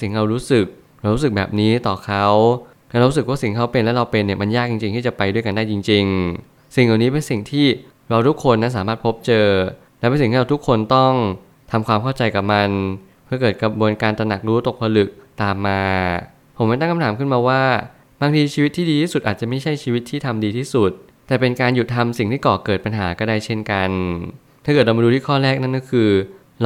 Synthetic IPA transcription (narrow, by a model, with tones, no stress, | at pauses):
si˨˩˦ŋɾa˧wɾuː˦˥sɯ˨˩k̚ | ɾa˧wɾu˦˥sɯ˨˩k̚bɛ̰ː˨˩p̚niː˦˥t̪ɔː˨˩kʰa˦˥w | na˦˥ɾa˧ɾu˦˥sɯ˨˩k̚waː˥˩si˨˩˦ŋkʰa˦˥wpe˧nlɛ˦˥ɾa˧wpe˧nːi˨˩ɐma˧njaː˥˩k̚t͡ɕi˧ŋt͡ɕi˧ŋt̪ʰiː˥˩t͡ɕa˨˩pa˧jdu˥˩əjka˧daː˥˩t͡ɕi˧ŋt͡ɕi˧ŋ | si˨˩ŋla˨˩wniː˦˥pe˧nsi˨˩ŋt̪ʰiː˥˩ | ɾa˧wt̪ʰu˦˥kʰːo˧nːa˦˥nsaː˩˦maː˥˩t̪̚pʰo˦˥p̚t͡ɕɤː˧ | lɛ˦˥pe˧nsi˨˩t̪ʰiː˥˩ɾa˧t̪ʰu˦˥kʰːo˧nt̪ɔ˥˩ŋ | t̪ʰa˧mkʰwaː˧mkʰa˥˩wt͡ɕa˧jka˨˩p̚ma˧n | pʰɯ˥˩kɤː˨˩t̪̚kɾa˧bu˧nkaː˧nt̪ɾa˧na˨˩k̚ɾuː˦˥t̪o˨˩k̚pʰa˧lɯ˨˩k̚t̪aː˨˩mːaː˧ | pʰo˩˦mːa˥˩jt̪a˥ŋka˧mt̪aː˩˦mkʰɯ˥˩nmaː˧waː˥˩ | baː˧ŋt̪ʰiː˧t͡ɕʰiː˧wt̪ʰːiː˥diː˧t̪ʰiː˥˩su˨˩ʔaː˨˩t̪̚t͡ɕa˨˩ma˥˩jt͡ɕʰa˥˩jt͡ɕʰiː˧wi˦˥t̪ʰːiː˥˩t̪ʰa˧mdiː˧t̪ʰiː˥˩su˨˩t̪̚ | tːɛː˨˩pe˧nkaː˧nju˨˩t̪ʰa˧msi˨˩ŋt̪ʰiː˥˩kɔː˨˩kɤː˨˩t̪̚pa˧nɦaː˩˦kɔː˥˩da˥˩jt͡ɕʰe˦˥˩nka˧nt̪ʰa˥˩kɤː˨˩t̚ɾa˧ma˧du˧iː˥˩kʰɔː˥˩ɾɛː˥˩k̚na˦˥˨kɔː˥˩kʰɯː˧